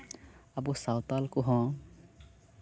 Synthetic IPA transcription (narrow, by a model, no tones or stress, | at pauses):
abusawt̪alkuɦɔ̃